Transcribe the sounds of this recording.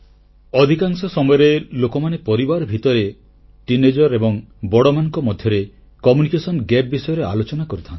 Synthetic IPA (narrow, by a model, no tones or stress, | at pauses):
ɔd̪ʱikaŋsɔsɔmɔjɔɾelokɔmanepɔɾibaɾɔbʱit̪ɔɾe | ʈined͡ʒɔɾebɔŋbɔɽɔmanɔŋkɔmɔd̪ʱjɔɾe | kɔmunikesɔnɡɛp̚bisɔjɔɾea̰lot͡ʃɔnakɔɾut̪ʰant̪i̥